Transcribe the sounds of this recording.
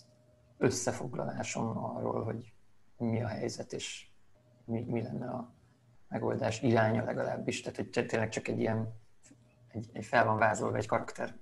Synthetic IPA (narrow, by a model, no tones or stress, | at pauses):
ø̞sːɛfo̞ɡlɒ̰laːʃo̞mɒrːo̰ːlɦo̞ɟomiɒɦɛjzɛt̪eːʃ | mimilɛnːɛɒ | mɛɡold̪aːʃiɾaːɲɒlɛɡɒlaːbːiʃt̪aːt̪hoc̚t̪t̪eːnlɛkt͡ʃɒkɛɟːijɛn | ɛɟɛɟfɛlvɒɱvaːzo̞lvɒɛckɒɾɒkt̪ʰɛr